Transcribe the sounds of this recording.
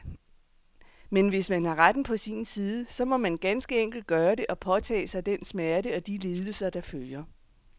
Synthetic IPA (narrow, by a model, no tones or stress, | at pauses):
menʋe̝smænɑ̈ʁad̥n̩pʰɒ̽sinsiːð̞ˠəsɒ̽mɒ̽mænɡ̥ænsɡ̥əeŋ̰ɡ̥l̩d̥̚ɡ̥ɶːɐɾe̝ʔɒ̽pʰɒ̽t͡sʰɛ̰ːsɑ̈ɪd̥ensmæɐɾəɒ̽d̥ile̝ːð̞ˠəl̩sɐd̥ɑ̈føljɐ